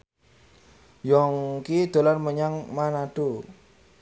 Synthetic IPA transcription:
jɔŋkid̪̥o̤larməɲaŋmanaɖ̥o

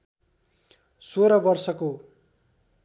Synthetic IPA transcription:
soɾʌbʌrsʌko

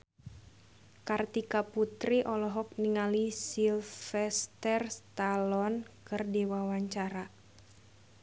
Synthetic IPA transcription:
kart̪ikaput̪ɾiʔɔlɔɦɔk̚niŋalisilfɛst̪ɛrst̪alɔnkɨrdiwawaɲt͡ʃaɾa

